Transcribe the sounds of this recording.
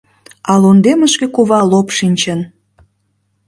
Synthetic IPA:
ɑlund̪eməʃkekuβɑlopʃinʲt͡ɕən

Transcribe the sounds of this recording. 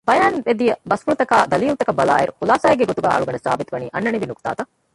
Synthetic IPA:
bɐjaːnʋed̪ijɐbɐspuɾt̪ɐkaːd̪ɐlijult̪ɐkɐbɐla̰ːjḛɾhulaːsaːjɐɡeɡot̪uɡa̰ːɭuɡɐɳesa̰ːbit̪uʋɐniʔɐnːɐɳiʋinukt̪a̰ːt̪ɐ

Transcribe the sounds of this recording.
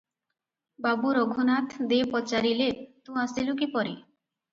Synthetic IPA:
babuɾoɡʱonat̪ʰd̪epɔt͡ʃaɾilet̪ũasilukipɔɾe

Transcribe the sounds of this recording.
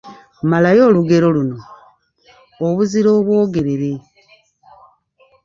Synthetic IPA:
malajo̞ːluɡe̞ɾo̞luno̞ | βuziɾo̞ːβwo̞ːɡe̞ɾe̞ɾe̞

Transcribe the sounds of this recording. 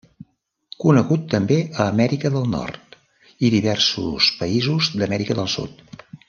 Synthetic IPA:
kunəɣut̪ːəmbeʔəːmɛɾikəðəlˠnɔ̰rt̪ | iðiβ̞ɛrsṵspəizuzd̪əmɛɾikəðəlˠsṵt̪̚

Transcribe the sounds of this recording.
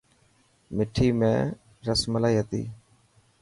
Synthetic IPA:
mɪʈʰiːmḛ̃ː | ɾəsməlaːiːɦət̪ḭː

